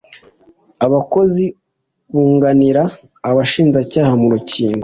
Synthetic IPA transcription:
aβako̞zi | βuːŋɡaniɾaː | βaʃiːnzacaːhamuɾuciːŋɡo

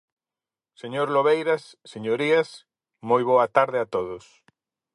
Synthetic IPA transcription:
seɲoɾloβejɾasːeɲoɾias | mojβ̞oɐt̪aɾðɪat̪oðʊs

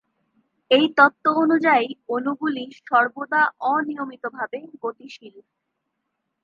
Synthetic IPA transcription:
ejt̪ɔt̪ːoonud͡ʑajonuɡuliʃɔɾbod̪aʔɔnijomit̪obʱabeɡoʈiʃil

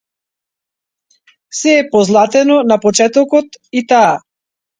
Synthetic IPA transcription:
sɛːpɔzlˠat̪ɛnɔnapɔt͡ʃɛt̪ɔkɔt̪it̪aː

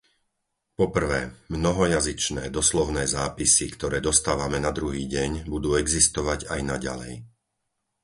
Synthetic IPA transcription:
pɔpr̩ʋɛːmnɔɦɔjazit͡ʃnɛːd̪ɔslɔʊnɛːzaːpisikt̪ɔɾɛːd̪ɔst̪aːʋamɛnad̪ɾuɦiːɟɛɲbud̪uːɛɡzist̪ɔʋaɟajnaɟa̰lɛ̰j

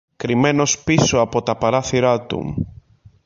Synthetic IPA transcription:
kɾimɛnospisoapot̪apaɾaθjuɾat̪ṵŋ

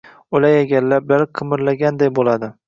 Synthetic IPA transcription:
ʊlajeɡʲallːabɪlaɾqʰɨmɪɾlaɡʲand̪ajbolad̪ɪ

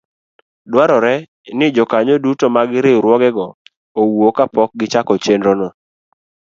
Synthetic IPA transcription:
dwaɾɔɾɛ | nɪd͡ʒɔkaɲodutomaɡɪɾeɾwɔɡɛɡɔ | owokapɔk̚ɡɪt͡ʃakɔt͡ʃendɾɔnɔ

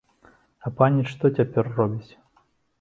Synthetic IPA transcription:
ɐpanʲiʂt̪ɔt͡sʲapʲɛrːɔbʲit͡sʲ

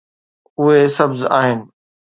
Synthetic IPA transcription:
ʊɦesɐbzaːɦɪnɪ̆

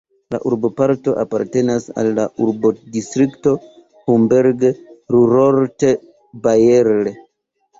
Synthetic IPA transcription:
la̰ʔuɾbo̞paɾto̞ʔapaɾte̞nasa̰lːaʔuɾbodistɾikto̞ | humbeɾɡɾuɾoɾte | bajeɾle

